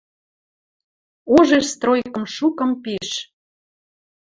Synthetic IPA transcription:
oʒeʃst̪rojkə̆mʃukə̆mpeʃ

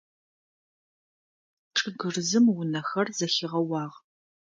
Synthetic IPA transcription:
ʈ͡ʂʼɨɡɨrzɨmwʊnɐxɐrzɐxɪʁɐwɑːʁ

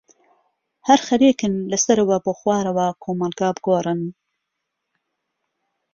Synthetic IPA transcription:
hɐɾxɐɾeːkɨnlɐsɐɾɐwɐboːxwɑːɾɐwaːkʰoːmɐlɡɑːbɨɡoːɾɨn

